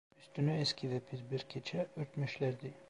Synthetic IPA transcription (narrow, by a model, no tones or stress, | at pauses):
yst̪ynyeskʲʰiðɛpʰizbiɾkʲʰet͡ʃʰɛøɾt̪meʃlæɾd̪i